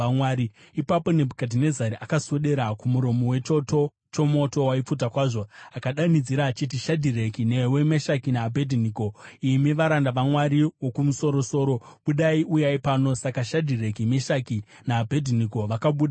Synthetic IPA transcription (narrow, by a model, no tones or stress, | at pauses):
awaːɾi | ipapo̞ne̞bʱkadʱine̞zaɾiʔakasoɗe̞ɾakumuɾo̞mowe̞t͡ʃoto | t͡ʃo̞mo̞to̞waip͡fut̬akwaːʐo̞akaɗanid͡ziɾaːt͡ʃit̬iʃadʱirekinewe̞meʃakinaːbʱedʱiniːko̞imiʋaɾandaʋamwaɾiwo̞kumuso̞ɾo̞so̞ːɾo̞ɓuɗaiʔujaipaːno̞sakaʃadʱirekimeʃaki | naːbʱedʱiniko̞ʋakaɓuːɗ